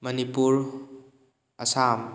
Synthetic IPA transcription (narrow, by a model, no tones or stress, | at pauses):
mɐnipuɾ | ɐsam